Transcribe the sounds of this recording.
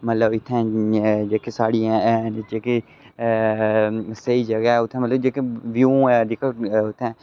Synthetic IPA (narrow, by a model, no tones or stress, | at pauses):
mət̪ləbɪt̪ʰːɛ̃d͡ʒeːkesaːɽijãɛnd͡ʒeːke | səiːd͡ʒəɡaɛʊt̪ʰːɛ̃mət̪ləbd͡ʒeːkeʋjuːɛd̪ɪkəʊt̪ʰːɛ̃ː